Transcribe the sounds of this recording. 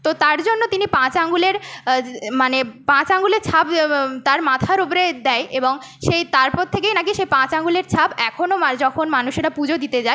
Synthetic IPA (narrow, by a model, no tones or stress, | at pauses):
t̪ot̪aɾd͡ʑonːot̪inipãt͡ɕaŋɡuleɾ | manepãt͡ɕaŋɡuleɾt͡ɕʰabt̪aɾmat̪ʰaɾopoɾed̪ɛjʔeboŋ | ʃejt̪aɾpɔt̪ʰːek̬ejnakiʃejpãt͡ɕaŋɡuleɾt͡ɕʰabɛkʰonomaɾd͡ʑɔkʰonmanuʃeɾapud͡ʑod̪it̪ed͡ʑae